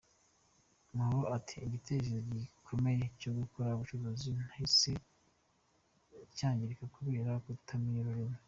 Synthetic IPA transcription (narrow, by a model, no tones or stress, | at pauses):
mahuɾoʔatʰi̥ːɟitʰeʃ̬ezoɟikʰo̞me̞jeco̞ɡukoɾauβut͡ʃuβozinahise̞ | caːɲɟiɾikakuβeːɾakutʰamiɾoɾimo